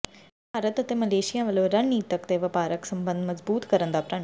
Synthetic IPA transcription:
bʱaːɾət̪ət̪eːməleːʃɪjãːʋəlõːɾənːiːt̪əkt̪eːʋəpaːɾəksəmbə̃nd̪məzbuːt̪kəɾənd̪aːpɾaː

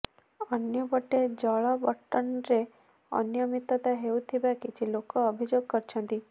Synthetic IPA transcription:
ənjəbəʈed͡ʒaɭabəʈːənɾe | ə̰njəmit̪ːət̪aɦeut̪ʰibaket͡ʃʰilokoːbʱid͡ʒoɡ̚kəɾt͡ʃʰə̃nt̪i

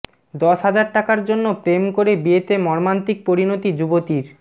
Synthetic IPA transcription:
d̪ɔʃɦad͡ʑaɾʈakaɾd͡ʑonːopɾemkoɾebiet̪emɔɾmant̪ik̚poɾinot̪id͡ʑubot̪iɾ

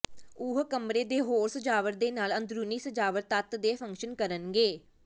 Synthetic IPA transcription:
uːɦkəmɾeːd̪eːɦoːɾsəd͡ʒaːʋəɾd̪eːnaːlənd̪ɾuːniːsəd͡ʒaːʋəɾt̪ət̪d̪eːpʰə̃ŋkʃənkəɾənɡeː

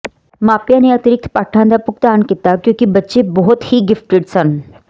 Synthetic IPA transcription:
maːpjãneɐt̪ɪɾɪk̚t̪ʰpaːʈʰãnd̪apʊk̚t̪aːnkit̪akjõːkibɐtːʃebɔɦʊt̪hiɡɪfʈɪɖsən

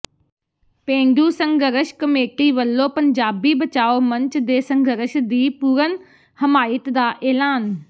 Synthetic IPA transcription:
pẽːɳɖuːsəŋɡəɾəʃkəmeːʈiːʋəlːõːpəɲd͡ʒaːbiːbət͡ʃaːoːməɲt͡ʃd̪eːsəŋɡəɾəʃd̪iːpuːɾən | həmaːɪt̪d̪aːʔeːlaːn

